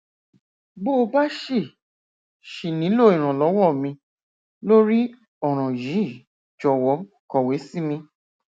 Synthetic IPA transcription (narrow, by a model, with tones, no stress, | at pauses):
bo˦˨˧ba˦ʃe˦˨ | ʃi˨nĩ˨˦lo˦˨ĩ˨ɾ̃ã˨lɔ˨˦wɔ˦˨mĩ˧ | lo˦ɾi˦ | ɔ˨ɾ̃ã˨ji˨˦˨ | d͡ʒɔ˨wɔ˨˦ | kɔ˨we˨˦si˦mĩ˧